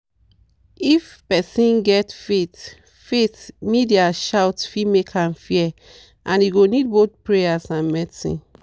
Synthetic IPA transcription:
ifpɛsĩnɡɛtfet | fetmidiaʃawtfimekʰãmfiɛ | ʔãniɡonid̚bot̪̚pɹejasãnmɛsḭ̃

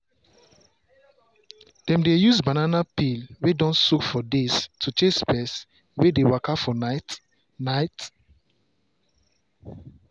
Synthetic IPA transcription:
d̥ɛ̃mdejusbananapilwedɔ̃nsukfɔdestʰut͡ʃẽspɛs | wedewakafɔnat | naɪt

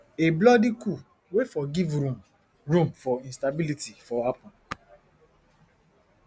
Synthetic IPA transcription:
eblɔdiku | wefɔɡivɾũm | ɹũmfɔĩnstabilitifɔapɔ̃n

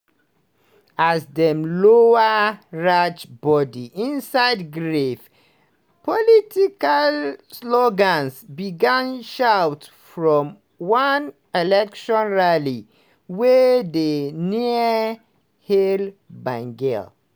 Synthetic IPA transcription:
asdɛ̃mloəɹat͡ʃbɔdiʔĩnsaɪdɡɹef | pɔlitikalslɔɡãnsbiɡãnʃawt | fɹɔ̃m | wãn | ɛlɛkʃɔ̃nɹali | wɛdeniə | helbãŋɡɛ̰l

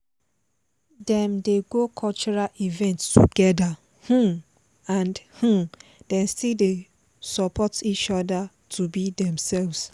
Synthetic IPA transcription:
dɛ̃mdeɡokʰɔlt͡ʃɔɹalivɛ̃ntstuɡɛda | hũ | ãnhũdɛ̃mstilde | sɔpʰɔtit͡ʃɔda | tʰubidɛ̃msɛlvs

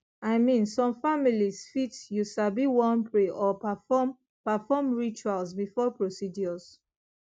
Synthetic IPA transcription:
aɪmĩnsɔ̃mfamilisfitjusabiwɔ̃npʰɹeʔɔpafɔm | pafɔmɹit͡ʃualsbifɔpɹosidjɔz

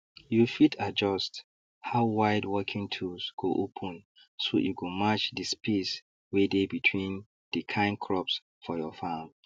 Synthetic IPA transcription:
jufitʰad͡ʒɔst | haʊwaɪdwɔkʰĩŋtʰusɡ̥oʔopʰɔ̃n | so̰juɡomat͡ʃdispes | wedebitʰwĩn | d̥ɨkʰãɪ̃nkʰɹɔps | fɔjɔfam

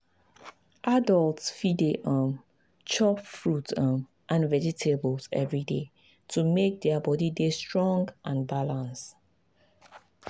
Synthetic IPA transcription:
ʔadɔlˠtfideʔɔ̃m | t͡ʃɔpfɹutɔ̃m | ʔãnvɛd͡ʒitʰebəlzɛ̰vɹide | tʰumek̚dɛabɔdidestɹɔ̃ŋɡʔãnbalãns

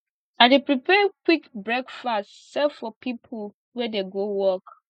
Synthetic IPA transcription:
aɪdepɹipɛkwikbɹɛkfastsɛfɔpʰipʰol | wɛdeɡowɔk

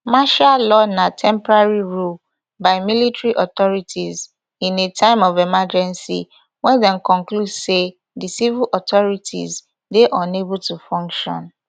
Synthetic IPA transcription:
maʃalɔnatʰɛ̃mpɔɹaɹiɹul | baɪmilitɹiʔɔt̪ɔɹitʰiz | ĩnetʰãɪ̃mɔvɛmad͡ʒɛ̃nsḭ | wɛ̃dɛ̃mkɔ̃ŋkludse | disiviʔɔtɔɹitʰḭz | deʔɔ̃nebultufɔ̃ŋkʃɔ̰̃n

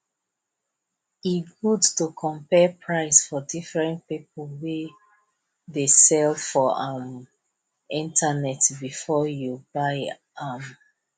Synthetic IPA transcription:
iɡudtukʰɔ̃mpɛpʰɹaɪsfɔdifɹɛ̃npip̚əlwe | ðesɛldfɔãm | ĩntʰanɛtbifɔjubaɪ | am

